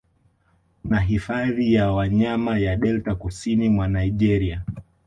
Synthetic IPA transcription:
naɦifaðijawaɲamajaɗɛltakusinimwanaiʄɛɾia

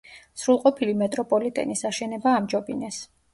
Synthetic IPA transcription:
sɾulˠqʼɔpʰilimɛt̪ʼɾɔpʼɔlit̪ʼɛ̰nisaʃɛnɛbaːmd͡ʒɔbinɛs

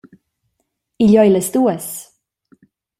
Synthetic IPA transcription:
iʎɔjləst̪uːəs

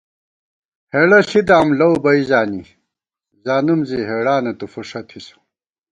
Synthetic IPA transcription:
heɽɐɬid̪aːmlɐwbɐizaːni | zaːnumziɦeːɽaːnɐt̪ufuʂɐt̪ʰisu̥

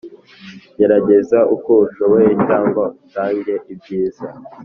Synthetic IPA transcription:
ɟe̞ɾaɟe̞zaʔuko̞uʃoβojecaːŋɡautaːɲɟe̞ʔib̚ɟiːza

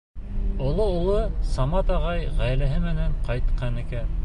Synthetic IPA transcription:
ŏlˠoulˠɤsɑmɑt̪ɑʁɑjʁæjlæɦɘmɘ̆næɴqɑjt̪̚qɑnɘ̆kæ

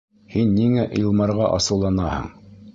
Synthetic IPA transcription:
hinːiŋæʔilˠmɑɾʁɑʔɑsɤ̆wlˠɑnɑhɤ̰ɴ

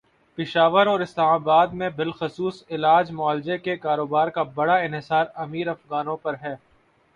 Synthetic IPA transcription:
pɪʃaːʋəɾɔːɾɪslaːmaːbaːd̪mẽbɪlxʊsuːsɪlaːd͡ʒmʊaːld͡ʒekekaːɾoːbaːɾkabɐɽaɪ̃nɦɪsaːɾɐmiːɾɐfɣaːnõpɐɾɦɛː

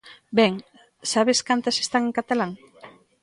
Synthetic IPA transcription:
bɛŋ | saβeskant̪ase̥st̪aŋeŋkat̪alaŋ

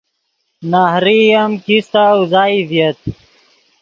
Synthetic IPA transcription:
nahɾijɐmkist̪awzaːivjɐt̪̚

